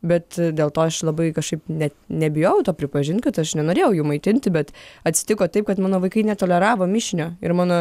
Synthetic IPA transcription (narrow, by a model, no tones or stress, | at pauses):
bʲɛt̪dʲeːlˠt̪oːɐʃlˠɐbɐɪkɐʃkɐɪpnʲɛt̪nʲɛbʲɪjojɛʊt̪oːpʲɾʲɪpɐʒʲɪnt̪kɐt̪ɐʃnʲɛnoːɾʲeːjɛʊjuːmɐɪt̪ʲɪnʲt̪ʲɪbʲɛt̪ɐt̪ʲsʲɪ̥t̪ʲɪkoːt̪ɐɪp̚kɐt̪mɑːnoːʋɐɪkɐɪnʲɛt̪oːlʲɛɾɑːʋoːmʲɪʃʲɪnʲoːɪɾmɑːnoː